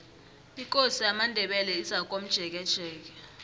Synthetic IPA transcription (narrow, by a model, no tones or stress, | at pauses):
ik̬ʼosiamandʱɛɓɛlɛizak̬om̩d̥ʒ̥ʱɛk̬ɛd̥ʒ̥ʱɛːk̬ɛ